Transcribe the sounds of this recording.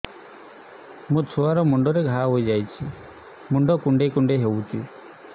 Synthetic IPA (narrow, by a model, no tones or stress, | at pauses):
mũt͡ʃʰuaɾɔmuɳɖɔɾeɡʱaɦojd͡ʒajt͡ʃʰi | muɳɖɔkuɳɖekuɳɖeɦewt̪ʰḭ